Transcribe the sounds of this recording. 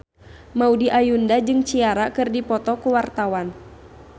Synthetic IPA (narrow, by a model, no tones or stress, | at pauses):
maudiʔajundad͡ʒɨŋt͡ʃiaɾakɨrdipɔt̪ɔkuwart̪awan